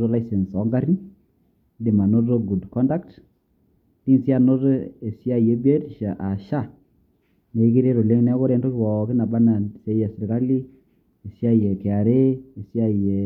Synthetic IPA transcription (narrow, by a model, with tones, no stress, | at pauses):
o˦la˦isɛ˨nsɔ˨˦ŋɡa˦ɾi˦n | di˨ma˨no˦to˦ɡu˨dkɔ˦nda˦kt | ti˦nsi˦a˨no˦to˦e˨sja˦˨je˨˦be˦ɾʃa˨ʔa˨ʃa˦˨ | ne˨i˦ki˦ɾe˦ɾo˨le˦ŋnɛ˦ko˦ɾɛ˨˦ndo˦ki˦˨wɔ˨kɪ˦na˨ba˦na˨se˦jɛ˨se˨ɾka˦li˦ | e˨sja˦˨jɛ˨kɛ˨a˨ɾe˦e˨sja˦˨je˨